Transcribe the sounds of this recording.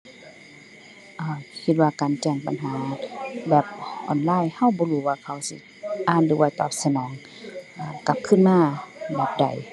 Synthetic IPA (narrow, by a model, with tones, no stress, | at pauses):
ʔaː˧˩kʰi˧t̪̚waː˧kaː˨nt͡ɕɛː˧˩ŋpa̰˨nɦaː˨˦bɛː˨˧˩p̚ʔɔ̰ː˨nlaː˧˥˨jha˧˥˩wbɔː˧˦huː˧waː˧kʰa˧˦wsi˧˦ | ʔaː˧˨ndɯː˨˦wa˧jt̪ɔ̰ː˧˩p̚sa˧nɔː˨˦ŋ | ʔaː˧˩ka˧˦p̚kʰɯ˧˥˨nmaː˧˥˨bɛː˨˦p̚da̰˨˩j